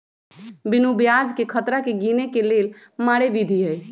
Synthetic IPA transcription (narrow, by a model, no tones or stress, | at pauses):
binubijad͡ʒkekʰət̪ɾakeɡinekelel | maɽeʋid̪ʱiɦəj